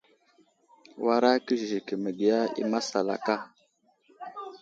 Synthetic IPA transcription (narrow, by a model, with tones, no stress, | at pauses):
wa˦ɾa˦kə˦ʒi˨kə˨mə˨ɡi˨ja˦ḭ˦ma˦sa˨la̰˨ka˦